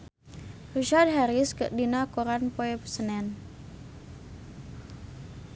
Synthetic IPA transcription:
riʃad̚ɦɛɾiskəʔdinakoɾanpoɛpə̥sənɛn

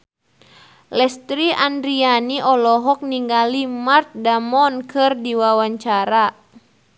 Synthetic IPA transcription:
lɛst̪ɾiʔandɾianiʔɔlɔɦɔk̚niŋɡalimart̪̚damɔnkɨrdiwawaɲt͡ʃaɾa

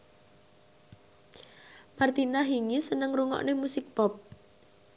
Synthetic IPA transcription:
mart̪inaɦiŋisənəŋruŋɔ̰ʔnemusɪk̚pɔp̚

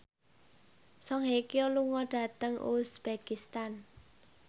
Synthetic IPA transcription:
sɔŋɦekijoluŋɔɖ̥ä̤t̪əŋṵsb̥akist̪an

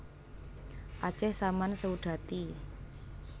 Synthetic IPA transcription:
ʔḁt͡ʃɛhsamansəuɖ̪̥a̤t̪i

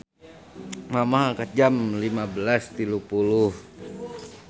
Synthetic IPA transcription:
mamaɦakat̪̚d͡ʒamlimabəlast̪ilupuluh

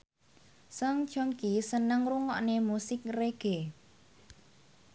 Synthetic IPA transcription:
sɔŋ̥t͡ʃɔŋkisənəŋruŋɔʔnemusɪk̚reɡ̥e

